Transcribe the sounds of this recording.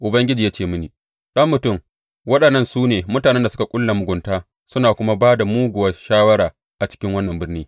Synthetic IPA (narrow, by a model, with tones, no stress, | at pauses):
ʔʊ˨bɐ˦ŋɡʲɪ˦d͡ʒiː˨jaː˦t͡ʃeː˦˨mʊ˦niː˨ | ɗɐ˦mːʊ˨tʊ˦˨m | wɐ˦ɗɐ˨nːɐ˦nsuː˦neː˨mʊ˦taː˨nɛ˦nda˨sʊ˦ka˨kʷʼʊ˦lːa˨mʊ˨ɡʷʊ˨ntaː˦ | sʊ˦naː˨kʷʊ˦ma˦baː˦da˨muː˦ɡʷʊ˨wa˦ʃaː˦wɐ˦ɽaː˨ | ʔa˨t͡ʃɪ̥˦kʲɪ˦ŋwɐ˦nːɐ˨mbɪ˦rniː˦